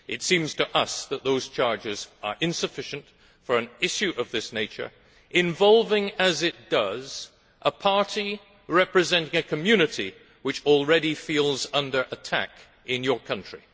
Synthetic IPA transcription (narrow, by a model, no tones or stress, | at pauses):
ʔɨtsĩmz̥tʰɨʔʌsðət̪̚ðoʊz̥t͡ʃʰɑɹd͡ʒɪzə˞ʔɨ̃nsɨfɪʃɨ̃n̩t | fə˞ɨ̃nɪʃʉʔʌvðɪsneɪt͡ʃə̰˞ | ʔɨ̃ɱvɑlˠvɪ̃ŋɨzɪt̚d̥ʌz | ʔəpʰɑɹɾi | ɹɛpɹɨzɛ̃ntɪ̃ŋɨkʰɨmjʉnɨɾi | wɨt͡ʃl̩ˠɹɛɾifilˠzʌ̃ndə˞ʔɨtʰæ̰k | ɪ̃njə˞kʰʌ̃nt͡ʃɹ̥i